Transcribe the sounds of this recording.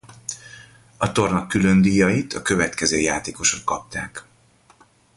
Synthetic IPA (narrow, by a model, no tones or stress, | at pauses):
ɒt̪o̞rnɒkːylø̞nd̪iːjɒjit̪ʰɒkø̞vɛt̪kɛzøːjaːt̪eːko̞ʃot̪kɒp̚t̪a̰ːk